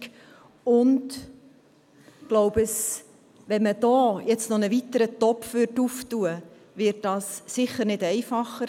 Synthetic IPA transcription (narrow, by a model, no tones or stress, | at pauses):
ʊnd | ɡ̥lowbəs | ʋɛnməd̥ɔːjɛt͡stnɔnəʋit̪əɾətɔpːʋʏrtuftuə | ʋɪɾt̚d̥ɑsːɪχəɾnɪdɛɪfɑχːəɾ